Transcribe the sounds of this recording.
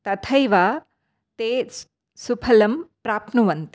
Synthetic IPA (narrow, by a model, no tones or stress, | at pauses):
t̪ɐt̪ʰɐjʋaː | t̪eː | supʰɐlɐmpɾaːpnuʋɐnt̪i